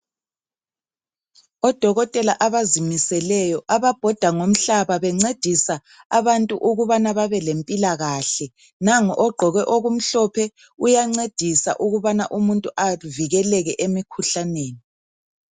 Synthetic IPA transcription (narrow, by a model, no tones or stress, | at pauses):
ɔd̥ʱɔɣɔtʼɛlaʔaβazimisɛlɛjɔʔaβab̥ʱɔd̥ʱaŋom̩ɬaβaβɛŋ͡ǀed̥ʱisa | aβantʼuʔuɣuβanaβaβɛlempʼilaɣaɬɛ | naŋɔʔɔɡ͡ǃʱɔɣɛʔoɣum̩ɬɔpʰɛ | ujaŋ͡ǀed̥ʱisa̰ʔuɣuβanaʔumuntʼuʔaviɣɛlɛɣɛʔemikʰuɬaneːni